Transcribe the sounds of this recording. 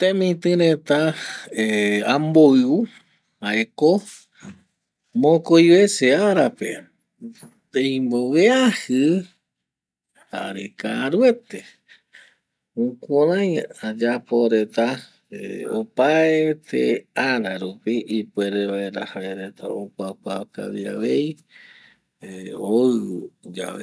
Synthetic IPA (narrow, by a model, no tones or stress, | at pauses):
t̪ẽmĩt̪ɨ̃ɾet̪aeamboɨu | aeko | mõkojβe̞seaɾape̞ | t̪ẽj̃mboʋeahɨ | ha̰ɾḛkaɾwe̞t̪e | ũkuɾãjad͡ʒapo̞ɾet̪a | eo̰paet̪ʰḛaɾaɾupiipweɾeβaeɾahaeɾet̪ʰaopʷakaka̰lia̰βej | oɨd͡ʒa̰βe